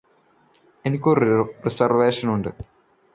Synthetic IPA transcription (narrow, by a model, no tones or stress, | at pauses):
enikʲːorresɐrʋeːʂɐnuɳɖɨ